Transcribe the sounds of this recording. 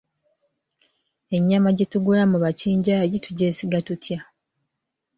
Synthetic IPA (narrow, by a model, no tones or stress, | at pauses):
e̞ɲːamaɟetuɡulamuβaciːɲɟajituɟe̞ːsiɡatutʰja